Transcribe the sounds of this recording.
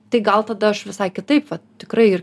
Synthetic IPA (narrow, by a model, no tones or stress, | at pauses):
t̪ɐɪɡɐlˠt̪ɐd̪ɐɐʃʋʲɪsɐɪkʲɪt̪ɐɪpʋɐtt̪ʲɪkɾɐɪɪr